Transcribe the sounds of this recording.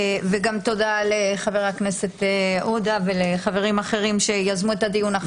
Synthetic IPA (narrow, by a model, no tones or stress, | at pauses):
veɡamt̪o̞d̪aleχaveʁakne̞se̞t̪ʔud̪aveleχave̞ʁimaχe̞ʁimʃe̞jazmuet̪ad̪ijuna